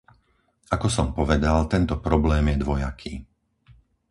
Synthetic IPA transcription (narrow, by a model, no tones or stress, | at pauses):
ʔakɔsɔmpɔʋɛd̪alt̪ɛnt̪ɔpɾɔblɛːmjɛd̪ʋɔja̰kʰiː